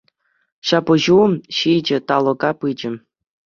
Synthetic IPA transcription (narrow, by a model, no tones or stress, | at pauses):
ɕɑpɤ̆ʑuɕid͡ʑɘ̆t̪ɑlˠɤ̆ɡɑpɯd͡ʑɘ̆